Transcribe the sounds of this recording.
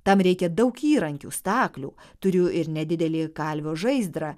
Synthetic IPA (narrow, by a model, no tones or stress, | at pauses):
t̪ɐmɾʲɛɪkʲɛd̪ɐʊkiːɾɐŋʲkʲṵːst̪ɑːklʲṵːt̪ʊɾʲʊɪɾnʲɛd̪ʲɪd̪ʲɛlʲiːkɑlʲʋʲoːʒɐɪzd̪ɾɑ